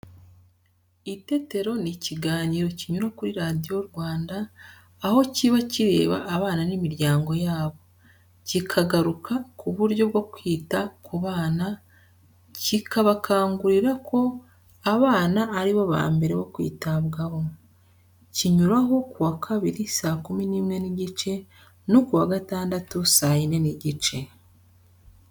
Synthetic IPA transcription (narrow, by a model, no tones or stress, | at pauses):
ite̞te̞ɾo̞niciɡaːɲiɾo̞ciɲuɾakuɾiɾaːdio̞ɾwaːndaː | ho̞ciβaciɾe̞̰ːβa̰ʔːβaːnanimiɾɟaːŋɡo̞jaːβo̞ | cikʰaɡaɾukʰakuβuɾɟo̞bɡo̞kwiːtakuβaːna | cikʰaβakʰaːŋɡuɾiɾakʰo̞ | aβaːnaːɾiβo̞βa̰ːmbe̞ɾeβokwḭːtaβɡaβo̞ | ciɲuɾaɦo̞kuwakʰaβiɾisaːkuminiːmŋe̞niɟit͡ʃe̞ | nokuwaɡataːndatusajine̞niɟit͡ʃe̞